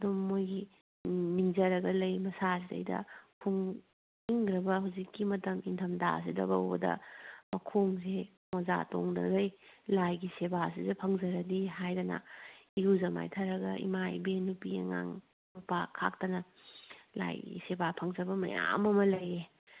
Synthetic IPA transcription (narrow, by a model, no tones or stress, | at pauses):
ɐdumːojɡi | miŋzɐɾɐɡɐlɐjmɐsas̬idɐ̰jdɐ̰pʰuŋ | iŋɾɐbɐɦawzikːimɐtɐmintʰɐmda̰s̬idɐ̰bɐ̰wbɐ̰dɐ̰mɐkʰoŋse | moza̰to̰ŋdɐ̰ɾɐjlajɡisebas̬izɐpʰɐŋzɐɾɐdiɦajdɐna̰iɾuzɐma̰jtʰɐɾɐɡɐ̰ḭmajbenupiɐ̰ŋa̰ŋ | mupakʰa̰k̚tɐnɐ | la̰jɡḭsebapʰɐŋzɐbɐmɐ̰ja̰mɐmɐlɐje